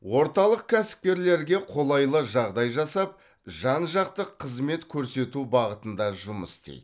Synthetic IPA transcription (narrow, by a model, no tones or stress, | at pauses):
wo̞ɾt̪ɑlˠəq̚kʲʰæsɪ̥p̚kʲe̞ɾle̞ɾɡʲe̞qʰo̞lˠɑjlˠəʒɑʁd̪ɑjʒɑsɑp̚ | ʒɑnʒɑqt̪əqʰːəzme̞t̪kʲʰɵɾse̞t̪ubɑʁət̪ənd̪ɑʒʊməst̪ḛj̪